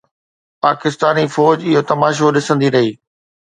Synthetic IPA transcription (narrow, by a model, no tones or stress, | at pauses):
paːkɪst̪aːnifɔːd͡ʑɪɦot̪ɐmaːʃ̬oɗɪsə̃nd̪iɾɐɦiː